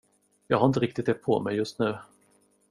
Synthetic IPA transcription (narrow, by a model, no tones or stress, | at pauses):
jɑ̰ːɡhaɾɪnəɾɪk̚t̪ɪt̪ɛpʰɔmɛjːɵst̪nʉ̟ː